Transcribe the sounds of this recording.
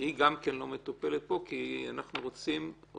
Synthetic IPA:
iɡamkenlo̞met̪upe̞let̪̚bo̞kianaχnuʁo̞t͡sim

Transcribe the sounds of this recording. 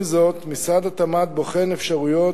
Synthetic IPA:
zo̞t̪misad̪at̪amat̪̚boχenefʃaʁujo̞

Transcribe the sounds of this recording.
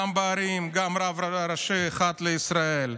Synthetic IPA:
ambaːɾimɡamɾavɾɾɐʃeχat̪leisɾael

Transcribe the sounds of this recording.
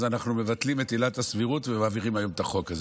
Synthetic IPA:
zanaχnume̞vat̪limet̪ilatasviʁutvemaːviʁimajo̞met̪aχo̞kaz

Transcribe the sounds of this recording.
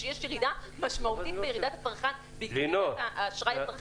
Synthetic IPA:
ejeʃjeʁid̪amaʃmautt̪it̪̚bejeʁid̪at̪afaʁχan | biɡlinoaːʃʁajafaʁ

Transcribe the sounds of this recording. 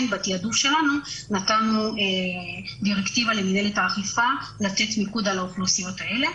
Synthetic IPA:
nbat̪iadufʃe̞lanunatanuediʁekt̪ivalemineletaːχifalate̞t̪mikudalauχlusijo̞t̪ae̞le̞

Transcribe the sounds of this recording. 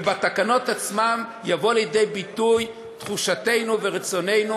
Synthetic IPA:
bat̪akano̞tat͡smamjavo̞aljede̞jbit̪uj | t̪χuʃate̞jnuveʁit͡so̞ne̞jnu

